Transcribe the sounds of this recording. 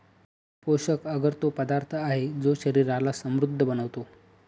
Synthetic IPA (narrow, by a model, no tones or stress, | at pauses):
poɕəkəɡəɾt̪opəd̪aɾt̪ʰəaɦed͡zoɕəɾiɾalasəmɾud̪ʱːəbənəʋt̪o